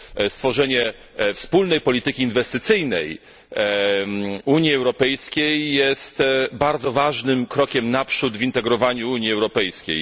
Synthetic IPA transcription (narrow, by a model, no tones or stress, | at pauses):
st̪fɔʐɛɲɛ | fspulnɛjpɔlʲit̪ɘkʲiːnvɛst̪ɘt̪sɘjnɛ̰j | uɲjiɛwɾɔpɛjskʲejːɛst̪baɾd̪zɔvaʐnɘmkɾɔkʲɛmnapʂud̪vʲint̪ɛɡɾɔvaɲuuɲjiɛwɾɔpɛjskʲḛj